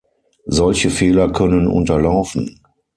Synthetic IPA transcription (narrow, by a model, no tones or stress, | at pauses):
zɔlçəfeːlɐkʰœnənʔʊ̰ntɐlaʊfn̩